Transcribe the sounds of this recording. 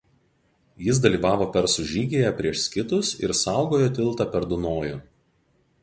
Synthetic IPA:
jɪs̬d̪ɐlʲiːʋɑːʋoːpʲɛɾsʊʒʲiːɡʲeːjɛpʲɾʲiɛʃsʲkʲɪt̪ʊsɪ̰ɾsɑˑʊɡoːjoːt̪ʲɪlˠˑt̪ɑpʲɛɾd̪ʊnoːjʊ

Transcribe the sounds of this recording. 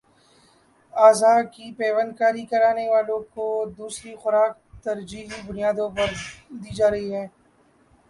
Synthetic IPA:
aːzaːkipɛːʋənkaːɾikɐɾaːneʋaːlõkod̪uːsɾixʊɾaːk̚t̪ɐɾd͡ʒiːɦibʊnijaːd̪õpɐɾd̪iːd͡ʒaːɾɐɦiɦɛː

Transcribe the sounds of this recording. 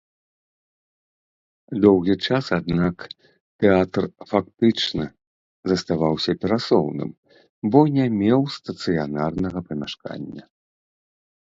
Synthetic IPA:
d̪ɔwɣʲit͡ʂasad̪̚nak | t̪ɛat̪rfak̚t̪ɨt͡ʂnɐ | zɐst̪avawsʲɐpʲɛɾasɔwnɨ̰m | bɔnʲɛmʲɛwst̪ɐt̪sɨjanarnɐɣɐpɐmʲaʂka̰nʲːɐ̰

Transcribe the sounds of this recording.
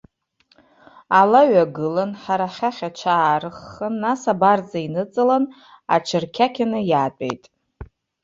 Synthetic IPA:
alaɥaɡɨlanħaɾaχʲaχʲat͡ʃʷʰaːrɨχːənːasabard͡zainɨt͡sʼɨlan | a̰t͡ʃʰɨrkʲʰakʲʰanɨjaːtʷʼḛjtʼ

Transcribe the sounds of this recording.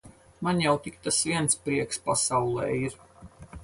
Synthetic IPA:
manʲjawt̪ik̚t̪asviɛnt̪spɾiɛkspasawlˠɛ̰ːiɾ

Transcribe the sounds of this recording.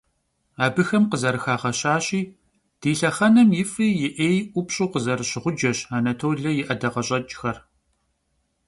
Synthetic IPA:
aːbɨxɐmqəzɐɾɨxaːʁɐɕaːɕʼiː | d̥iːɬɐχɐnɐmjɪfiːjɪʔeːjʔʷʊpɕʼuːqəzɐɾɨɕɪʁʷʊd͡ʒɐɕaːnɐtʰoːɮɐjɪʔɐdɐʁɐɕʼɐt͡ʃʼxɐr

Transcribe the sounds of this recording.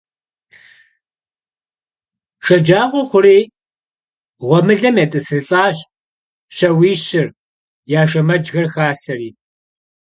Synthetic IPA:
ʃɐd͡ʒaːʁʷɔχʷʊriː | ʁʷɔmɨɮɐmjetʼɨsɨrɨɬʼaːɕ | ɕɐwiːɕɪr | jaːʃɐmɐd͡ʒɣɐrxaːsɐriː

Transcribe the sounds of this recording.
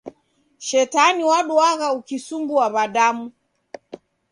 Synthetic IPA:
ʃɛtaniwaɗuaɣaukisuŋɡuaβaɗamu

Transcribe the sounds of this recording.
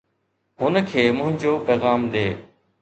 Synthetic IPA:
ɦʊnəkʰeːmʊ̃ɦɪ̃ɲd͡ʑoːpɛːɣaːmɗ̪eː

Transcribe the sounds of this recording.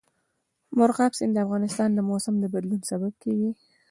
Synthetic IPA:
mʊɾɣɑbsɪnd̪əafɣɑnɪst̪ɑnd̪əmosamd̪əbad̪lunsabab̚kawi

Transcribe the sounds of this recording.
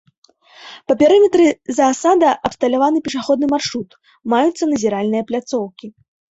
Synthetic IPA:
pɐpʲɛɾɨmʲɛt̪ɾɨzɐːsad̪ɐʔɐpst̪ɐlʲavanɨpʲɛʂaxɔd̪̚nɨmarʂɾut̪ | majut̪sːɐnɐzʲiɾalʲnɨjɐplʲat̪sɔwkʲi

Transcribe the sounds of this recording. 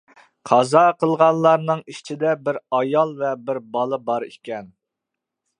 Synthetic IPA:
qʰɑzɑqʰəlˠʁɑnlːˠɑɾnɨŋiʃt͡ʃʰid̪ɛbɪɾɑjɑlˠvɛbɪɾbɑlˠɨbɑɾḭkʲɛn

